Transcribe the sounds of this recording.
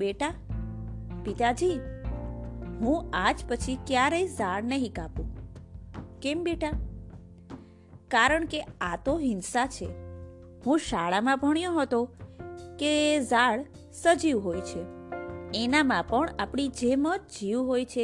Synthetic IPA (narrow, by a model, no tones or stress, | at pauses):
beʈa | pit̪ad͡ʒi | ɦũad͡ʒpət͡ʃʰikjaɾəjzaɭnəɦĩkapũ | kembeʈa | kaɾəɳkeat̪oɦinsat͡ʃʰḛ | hũʃaɭamãbʱəɳ̃jõɦət̪o | kezaɭ | səd͡ʒiʋɦojt͡ʃʰe | enamãpəɳapɳid͡ʒemə̃t̪d͡ʒiʋɦojt͡ʃʰe